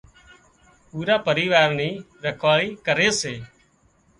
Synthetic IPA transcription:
puːɾaːpəɾiːʋaːɾniː | ɾəkʰʋaːiːkəɾeːseː

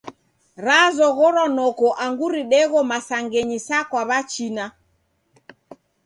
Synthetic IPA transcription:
ɾazɔɣɔɾɔnɔkɔʔaŋɡuɾiɗɛɣɔmasaŋɡɛɲisakwaβat͡ʃina

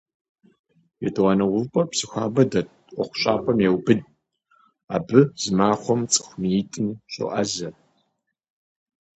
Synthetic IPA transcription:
jɛtʰɨwɑːnɐwʊvpʰʼɐpsɨxʷaːbɐdɐtʼ | qʷʼɔχʷʊ̥ɕʼa̰ːpʰʼɐmjewbɨd | a̰ːbɨz̥ɨmaːχʷɔmt͡sʼɨ̥xʷmiːtʼɨnɕʼɨ̰ʔɐzɐ

